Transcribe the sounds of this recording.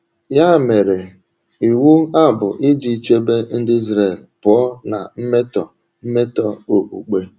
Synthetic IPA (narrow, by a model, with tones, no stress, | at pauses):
ja˦˨me˨ɾe˨ | i˨wu˦a˦bʊ̰˨ʔi˦d͡ʒi˦t͡ʃe˦be˦n̩˦dɪ˦i˦zɾe˦˨lpʊ˨˦ɔ˦na̰˨m̩˦me˦tɔ˨ | m̩˦me˦tɔ˦o˨k͡pṵ˨k͡pe˦